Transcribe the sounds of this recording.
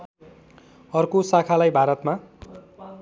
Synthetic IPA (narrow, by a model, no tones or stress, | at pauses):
ʌrkosakʰalajbʱaɾʌt̪ma